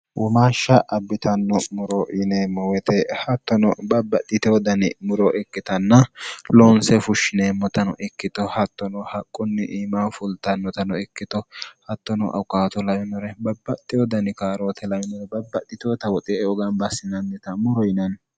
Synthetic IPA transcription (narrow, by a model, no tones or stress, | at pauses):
wɔmaːʃːɐʔɐbːɪt̪ɐnːɔmʊɾɔjɪneːmːɔwɛt̪ɛhɐt̪ːɔnɔbɐbːɐt̪ʼːɪt̪ɛɔd̪ɐnɪ̰mʊɾɔʔɛkːɪt̪ɐnːɐloːnsɛfʊʃːɪneːmːɔt̪ɐnɔ̰ʔɛkːɪt̪ɔhɐt̪ːɔnɔhɐkʼːʊnːɪʔiːmafʊlt̪ɐnːɔt̪ɐnɔɛkːɪt̪ɔhɐt̪ːɔnɔ̰ʔɐ̰wkʼːaːt̪ɔlɐjɛnɔɾɛbɐbːɐt̪ʼːɪjɔd̪ɐnɪkaːɾoːt̪ʰɛlɐjɪnɔɾɛbɐbːɐt̪ːɪt̪ɔt̪ɐwɔt̪ʼeɔɡɐnbɐsːɪnɐnːɛt̪ɐmʊɾɔjɪnɐn